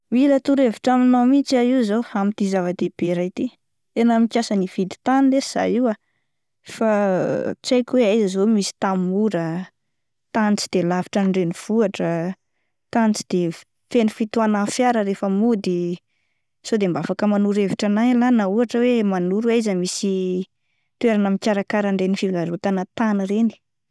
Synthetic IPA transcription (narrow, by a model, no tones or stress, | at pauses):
milət̪uɾeviʈ͡ʂaminamit͡ʃaizowamit̪izavad̪eb̥eɾajt̪i | enamikʲjasəniv̥id̪i̥t̪anleiz̥a̰jiwa | fat͡sajkʲweajzəzomisi̥t̪ammuɾə | t̪ant͡si̥d̪̥elavi̥ʈ͡ʂanɳɖ͡ʐeniv̥uaʈ͡ʂə | t̪ant͡si̥d̪̥e | fenufit̪uanafjaɾəɾefəmud̪i | sod̪embafakəmanuɾeviʈ͡ʂanajlanauaʈ͡ʂəwemanuɾuaizəmisi | t̪weɾanəmikʲaɾakaɾəɳɖ͡ʐenifivlaɾot̪anət̪aniɾeni̥